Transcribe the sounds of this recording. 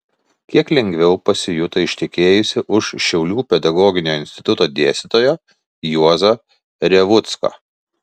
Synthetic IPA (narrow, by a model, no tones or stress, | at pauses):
kʲiɛklʲɛŋʲɡʲʋʲɛʊpɐsʲɪjʊt̪ɐɪʃʲt̪ʲɪkʲeːjʊsʲɪʔʊʃʃʲɛʊlʲuːpʲɛd̪ɐɡɔːɡʲɪnʲoːɪnʲsʲt̪ʲɪ̥t̪ʊt̪oːd̪ʲeɛst̪ʲɪt̪oːjoː | juɔzɐ | ɾʲɛʋʊt̪skɐ̰ː